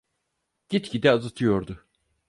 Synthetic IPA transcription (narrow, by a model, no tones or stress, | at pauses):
ɟ̥it̪cid̪ɛazat̪ʰɯjo̞ɾd̪ʊ